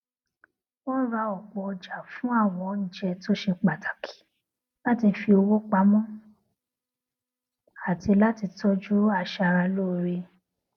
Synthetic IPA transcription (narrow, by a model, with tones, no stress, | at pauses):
wɔ˦n̩˦ɾa˧ɔ˨k͡pɔ˧d͡ʒa˨fũ˨˦a˦˨w̃ɔ̃˧n̩˦˨˦d͡ʒɛ˧to˦ʃe˧k͡pa˨tʰḁ˨kʰi̥˨˦ | la˦ti˧fi˧o˧wo˦k͡pa˧˦mɔ̃˦ | a˨ti˧la˦ti˧tɔ˦d͡ʒu˦a˧ʃa˧ɾa˧lo˦˨˧ɾe˧